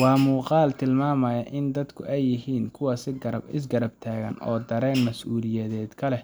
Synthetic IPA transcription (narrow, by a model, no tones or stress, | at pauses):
wɑːmuːqɑːlt̪ʰɪlmaːmɐjɐʔɪnd̪ɐd̪kʰʊʔɛjːɪɦiːnkʰʊwɑsɪɡɐɾɐbɪs̬ɡɐɾɐb̚t̪ʰaːɣɐ̰nʔɔ̰ːd̪ɐɾɛːnmɐsʔuːlɪjɛðɛːd̪kʰɐlɛ